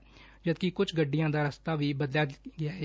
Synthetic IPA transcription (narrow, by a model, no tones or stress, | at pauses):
d͡ʒəd̪kikʊt͡ʃʰɡəɖːɪjãːd̪aːɾəst̪aːʋiːbəd̪ljaːɡɪaːɦɛː